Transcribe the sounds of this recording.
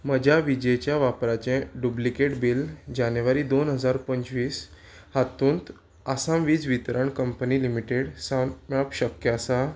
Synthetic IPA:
məd͡ʑʱaʋid͡ʑet͡ɕjaʋapɾat͡ɕẽɖublikeʈbild͡ʑanjʋaɾiːd̪onɦəd͡zaɾpəɲt͡ɕʋiːs | hat̪ũːnt̪ | asãʋiːd͡zʋit̪ɾəɳkəmpəniːlimiʈeɽsanmɭəpɕəkjəsa

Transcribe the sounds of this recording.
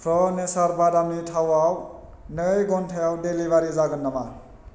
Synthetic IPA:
pʰɾɔnesaɾbadamnitʰawaw | nəjɡɔntʰejawdelibaɾizaɡɯnːama

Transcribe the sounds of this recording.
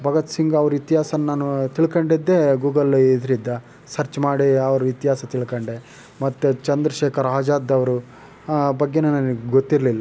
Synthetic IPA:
bʱɐɡɐt̪siŋɡɐɐʋɐɾuit̪iɦaːsɐnnaːnut̪iɭkɐɳɖid̪ːeɡuːɡɐlid̪ɾid̪ːɐ | sɐɾt͡ʃmaːɽiɐʋɐɾuit̪ɦaːsɐt̪iɭkɐɳɖe | mɐt̪ːut͡ʃɐnd̪ɾɐʃeːkʰɐɾaːd͡ʒaːd̪ːɐʋɐɾu | bɐɡːe̞nɐnɐniɡɡot̪ːiɾlilːɐ

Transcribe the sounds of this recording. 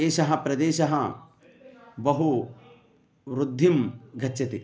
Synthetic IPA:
eːʃɐɦɐ̆pɾɐd̪eːʃɐɦɐ | bɐɦu | ʋɾud̪ʱːimɡʱɐtːʃɐt̪i

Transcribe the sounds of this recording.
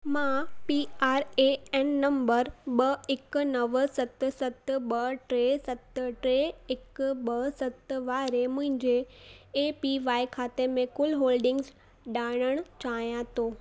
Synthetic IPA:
mãpiaːɾeɛːnːɐ̃mbəɾɓɐɪkʊ̆nɐʋsɐt̪̆sɐt̪ɓɐʈɾeːsɐt̪̆ʈɾeɪkɓɐsɐt̪ʋaːɾemʊ̃ɦɪ̃ɲd͡ʑeeːpiʋaːikʰaːt̪emẽkʊlɦoːlɖɪ̃ŋɡz | ɗaːɽ̃əɽ̃ʊt͡ɕaːjãt̪ʰoː

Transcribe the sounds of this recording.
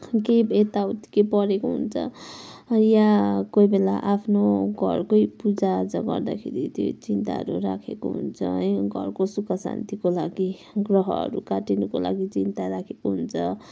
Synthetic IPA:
kejbet̪awt̪i̥kepʌɾekoɦṵnt͡sʰʌ̰ | jakojbela̰ʔapʰnoɡʱʌ̰rkojpud͡zad͡zʌɡʌ̰rd̪a̰kʰeɾit̪jo̰t͡sint̪a̰ɦʌ̰ɾuɾakʰeko̰ɦṵnt͡sʰʌ̰ɡʱʌ̰rkosukasa̰nt̪ikolaɡi | ɡrʌɦʌʌ̰ɾukaʈinukola̰ɡit͡sint̪aɾakʰekoɦunt͡sʰʌ

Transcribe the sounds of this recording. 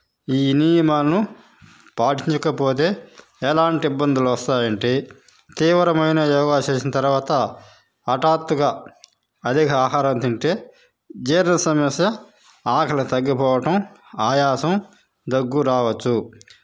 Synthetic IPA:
iːnijɐmaːlnu | paːʈiɲt͡ʃɐkɐpo̞ːt̪̬e̞ː | ɛlaːɳʈiibːɐnd̪ʱuluʋɐst̪aːjɐɳʈe | t̪iːʋɾɐmɐjnɐjɔːɡaːt͡ʃeːsinɐt̪ɐɾʋaːt̪ɐː | ʈaːt̪ːuɡaː | ɐd̪ʱikɐaːɦaːɾɐnt̪iɳʈe̞ː | d͡ʒeːɾɐnɐsɐmɐsjɐ | aːkʰɐlɐt̪ɐɡːipɔːʋɐʈɐm | aːjaːsɐm | d̪ɐɡːuɾaːʋɐt͡ʃːu

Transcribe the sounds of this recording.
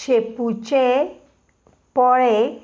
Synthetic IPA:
ʃeput͡ɕe | pɔɾe

